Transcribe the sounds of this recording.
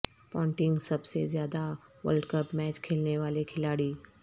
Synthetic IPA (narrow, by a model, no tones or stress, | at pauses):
pɔ̃ːɳʈɪ̃ŋɡsɐbsḛzjaːd̪aʋə̰lɖkəpmɛːt͡ʃkʰeːlneʋaːlekʰɪlaːɽiː